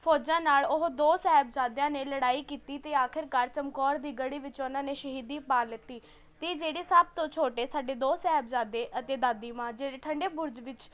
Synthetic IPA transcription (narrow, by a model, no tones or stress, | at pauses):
pʰoːd͡ʒãːnaːlʊɦd̪oːsɛːb̚d͡ʒaːd̪jãːneːləɽaːiːkiːt̪iːt̪eːaːkʰɪɾkəɾt͡ʃəmkɔːɾd̪iːɡəɽiːʋɪt͡ʃoːnãːneːʃəɦiːd̪iːpaːlɪt̪ːiː | t̪eːd͡ʒeːɽeːsəb̚t̪õːt͡ʃʰoːʈeːsaːɖeːd̪oːsɛːɦbd͡ʒaːd̪eːʔət̪eːd̪aːd̪iːmãːd͡ʒeːɽeːʈʰəɳɖeːbʊɾd͡ʒʋɪt͡ʃ